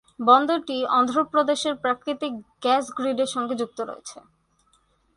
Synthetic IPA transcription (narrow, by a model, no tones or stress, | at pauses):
bɔnd̪oʈiɔnd̪ʱɾopɾod̪eʃeɾpɾakɾit̪ik̚ɡɛsɡɾiɖeɾʃɔŋɡed͡ʑuk̚t̪oɾo̰jḛt͡ɕʰe